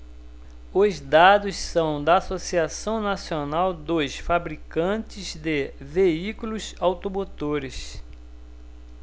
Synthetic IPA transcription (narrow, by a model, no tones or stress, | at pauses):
ʊzd̪ad̪ʊssɐ̃w̃d̪ɐasosiasɐ̃w̃nasionawd̪osfabɾikɐ̃t͡ʃɪzd̪ɪveikulʊsawt̪omot̪oɾɪs